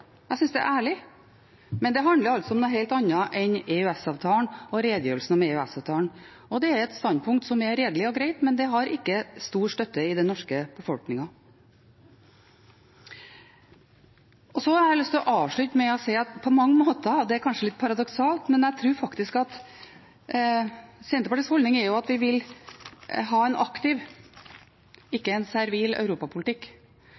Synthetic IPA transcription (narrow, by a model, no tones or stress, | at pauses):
æɪsʏnsd̪ɛ̰ʔæːɭɪ | mɛnd̪ɛɦɑnd̪əɾɑlt̪sɔɔmnoːɦeɪlt̪ɑnːɑʔɛnɛʉɛsɑːʋt̪ʰɑːɳɔɾeːd̪əjøːɾəlsn̩ɑmɛʉæsɑːʋt̪ʰɑːlɳ | ɔd̪ɛæɾɛt̪st̪ɑnd̪pʰʊŋkt̪sɔmɛɾeːd̪əlɪɔɡɾeɪt̪mɛnd̪ɛɦɑɾɪkːəst̪uːʂʈ̪œt̪ːəɪd̪ɛnɔʂkəb̥əfɔlknɪŋɑ | ʔɔsɔɑɾæɪlʏst̪ʰɪlɔʔɑːʋʂɭʉt̪mɛɔseɪɑt̪pʰɔmɑŋːəmoːt̪əd̪ɛkʰɑnʂəlɪt̪̚ːpʰɑɾɑd̪ɔksɑːlt̪mɛnæɪt̪ʰɾʉːɾfɑkt̪ɪskɑt̪ | sɛnt̪əpɑʈiːshɔld̪nɪŋɛɾjʊɑt̪ʋɪʋɪl | ɦɑːɛnɑkt̪ɪʋ | ɪkːəɛnsæɾʋiːlœ̰ʉɾuːpɑpʰʊlt̪ɪkː